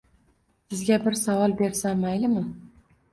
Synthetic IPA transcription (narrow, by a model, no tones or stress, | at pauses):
sɪzɡʲabɪɾsavɒlˠbe̞ɾsamajlɪmɪ